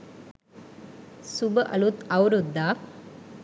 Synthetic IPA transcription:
subəʔɐlut̪ɐwɾud̪ːaː

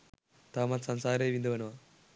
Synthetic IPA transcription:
t̪aːmɐt̪sɐnsaːɾeːʋind̪ɐʋɐnɐʋa

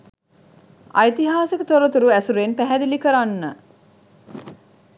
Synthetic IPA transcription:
a̰jt̪iɦaːsikət̪oɾət̪uɾuæsuɾenpæɦæd̪ilikəɾanːə

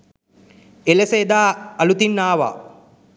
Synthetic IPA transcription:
eleseːd̪aːɐlut̪inːaːʋa̰ː

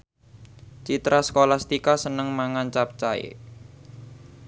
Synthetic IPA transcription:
t͡ʃit̪ɾasə̥kolahst̪ikasənəŋmaŋant͡ʃap̚t͡ʃaḛ

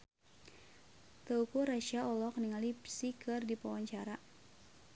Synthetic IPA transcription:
t̪əukuɾaʃiaɔlɔkniŋalipsikʰɨrdipawaɲt͡ʃaɾa

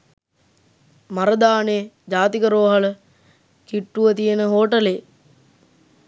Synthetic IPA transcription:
maɾəd̪aːne | d͡ʒaːt̪ikəɾoʋɦalə | kiʈːuʋət̪ijenəɦoːʈəle

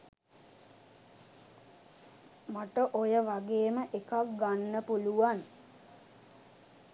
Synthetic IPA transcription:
maʈəʔojəʋaɡeːməʔekak̚ɡanːəpuluʋan

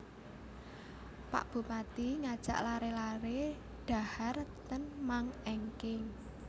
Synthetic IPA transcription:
pa̰ʔb̥ṳmat̪iŋad̥ʒ̥a̤̰ʔlaɾelaɾe | ɖ̥a̤hart̪ənmaŋeŋkɪŋ

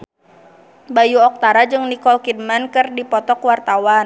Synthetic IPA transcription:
bajuɔk̚t̪aɾad͡ʒɨŋnikɔlkid̚mankɨrdipɔt̪ɔkwart̪awan

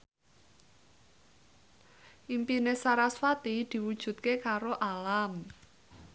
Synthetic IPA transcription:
ʔimpinesaɾaswat̪id̪̥i̤wud̥ʒ̥ṳt̪̚kekaɾoʔalam

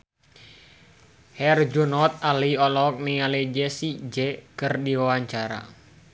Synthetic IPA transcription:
hɛrd͡ʒunɔt̪̚aliɔlɔk̚nialɛd͡ʒɛsid͡ʒɛkɨrdiwawaɲt͡ʃaɾa̰

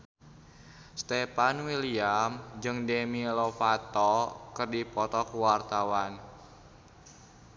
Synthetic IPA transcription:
st̪ɛpanwiliamd͡ʒɨŋdemilɔfat̪ɔkɨrdipɔt̪ɔkuwart̪awan

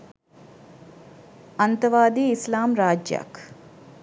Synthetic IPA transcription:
ɐnt̪ɐʋaːd̪iːislaːmɾaːd͡ʒja̰k

